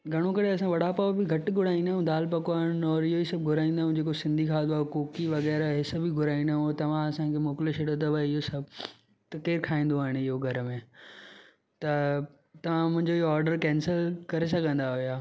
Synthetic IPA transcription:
ɡʱɐɽ̃õkɐɽeɐs̬ãʋɐɽ̤apaːʋbiɡʱɐʈɡʱʊɽ̤aːĩnd̪aːɦũd̪aːlpɐkoaːɦɪɽ̃ɔːɾɪɦoisɐb̚ɡʱʊɾaːĩnd̪aːɦũd͡ʑeːkosɪ̃nd̪ʱikʰaːd̪oaːkoːkiʋɐɣɛːɾɦɪsəbiɡʱʊɾaːĩnd̪aːɦũt̪ɐʋ̤ãɐsãkʰemoːkleʃeɽət̪ɐʋaɪɦosɐbʱ | t̪ɐkeːɾkʰaːĩːn̆d̪oaːɦɪɽ̃ɪɦoɡʱɐɾəmẽ | t̪ɐ | t̪ɐʋ̤ãmʊ̃ɦɪ̃ɲd͡ʑoiɦoaːɾɖəɾkɛːnsəlkɐɾes̬ɐ̃ɡʱə̃nd̪aɦʊjaː

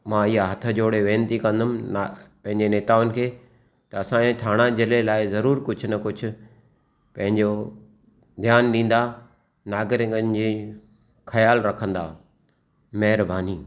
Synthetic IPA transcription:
mãːɪɦaɦɐt̪ʰə̆d͡ʑoːɽeʋẽːnt̪ikɐ̃nd̪ʊmnapɐ̃ɦɪ̃ɲd͡ʑeneːt̪aːʋʊnɪ̆kʰeː | t̪ɐɐsãːẽt̪ʰaːɽ̃ad͡ʑɪlelaːɪzɐɾuːɾkʊd͡ʑʱʊnɐkʊd͡ʑʱʊ̆ | pɐ̃ɦɪ̃ɲd͡ʑo | d̪ʱjaːnɗĩːn̆d̪a | naːɡɪɾẽɡənd͡ʑi | xɐjaːlɾɐkʰə̃nd̪a̰ː | mɐɦɪɾbaːniː

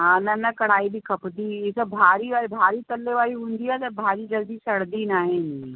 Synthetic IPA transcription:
ɦãːnɐnɐkɐɽ̤aːibʱikʰɐpd̪iɪsɐbʱaːɾiʋaːbʱaːɾit̪ɐlːeʋaːɾiɦũːnd̪iɛːt̪ɐbʱaːɾid͡ʒɐld̪isɐɽ̤d̪inaːɦɪn

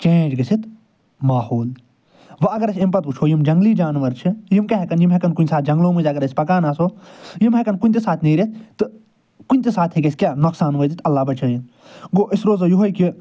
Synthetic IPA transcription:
t͡ʃẽːd͡ʒɡɐsʰit̪ | maːhoːl | ʋɐɐɡɐɾɐsʲɐmpɐt̪̚ut͡ʃʰoːjimd͡ʒɐŋɡliːd͡ʒaːnʋɐɾt͡ʃʰijimkɐɦɛkɐnjimɦɐkɐnkunʲsaːt̪̚ʰd͡ʒɐ̃ŋɡloːmɨnd͡ʒʲɐɡɐɾɐsʲpɐkaːnaːsoːjimɦekɐnkunʲt̪isaːt̪ʰniːɾit̪̚ʰt̪ɨ | kunʲt̪isaːt̪ʰekʲɐsʲkʲjaːnɐksaːnʋɐːjt̪it̪ʰɐlːaːbɐt͡ʃaːjin | ɡoːʔɪsɾoːzɐjuɦojki

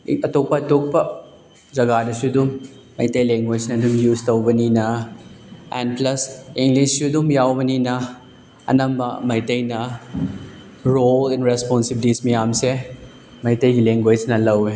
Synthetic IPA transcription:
ɐtok̚pɐːtok̚pɐ | d͡ʒɐɡadɐsudumː | ɐ̰jtɐjleŋɡwed͡ʒnɐdumjuztɐwbɐninɐ | ḛnplɐsiŋɡlissudumjawbɐninɐ | ɐ̰nɐmbɐmɐjtɐjnɐ | ɾolenɾesponsibilismɐjamse | mɐjtɐjɡileŋɡwejd͡ʒnɐlɐwe

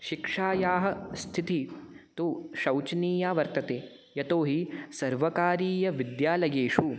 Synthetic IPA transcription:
ʃikʂaːjaːɦɐ̆st̪ʰit̪it̪uʃɐwt͡ʃniːjaːʋɐɾt̪ɐt̪eː | jɐt̪oːɦisɐɾʋɐkaːɾiːjɐʋid̪jaːlɐjeːʂu

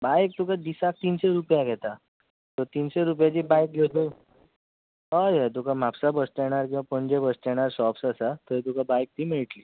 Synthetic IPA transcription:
bajk̚t̪ukad̪isak̚t̪inseɾupjaɡʱɛt̪a | t̪ɔt̪iːnseɾup̬jat͡ɕiːbajk̚ɡʱet̪u | ɦajat̪̬ukamapsabəst̪eɽ̃aɾkĩw̃ʋapəɳd͡ʑebəst̪ɛɽ̃aɾsɔpsasat̪əɾit̪ukabajk̚t̪ʰiːmeɭʈli

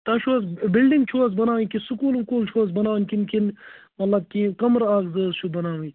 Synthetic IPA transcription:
t̪ɐʃʰuɐsbilɖiŋɡt͡ʃʰuɐs̬bɐnaːĩkisukuːlkuːlt͡ʃʰuɐs̬bɐnaːnʲkinkin | mɐt̪lɐb̚kikɐmɾaːɡzəːzt͡ʃʰubɐnaːʋĩ

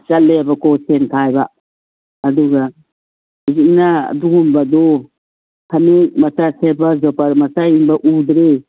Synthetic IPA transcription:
t͡ʃalːeabakʰɔsentʰajbaː | duɡa | ziŋnaa̰duɡumbad̪ɔ | kʰanimatasebazɔpaɾmasainbaʔud̪ɾe

